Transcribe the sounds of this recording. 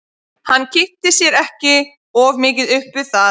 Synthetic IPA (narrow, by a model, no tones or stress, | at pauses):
hanːcʰɪht̪ɪsjɛɾɛhcɪ | ɔvmɪːc̬ɪðʏhpʏ̥θa